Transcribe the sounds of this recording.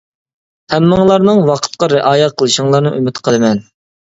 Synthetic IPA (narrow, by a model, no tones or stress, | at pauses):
hæmːɨŋlˠɑɾnɨŋwɑqʰə̥t̪̚qɑɾɪʔɑːjɑqʰəlˠɨʃiŋlˠɑɾnɨʔymɪt̪qʰəlˠɨmɛn